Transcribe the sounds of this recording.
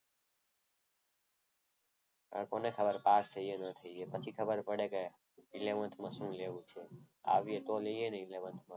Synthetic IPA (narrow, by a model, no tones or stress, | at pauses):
ə̰konekʰəbəɾpast̪ʰəienət̪ʰəiepət͡ʃʰikʰəbəɾpəɽeke | ileʋə̃nt̪ʰmãsũleʋũt͡ʃʰe | a̰ʋijet̪oleijeneileʋə̃nt̪ʰmã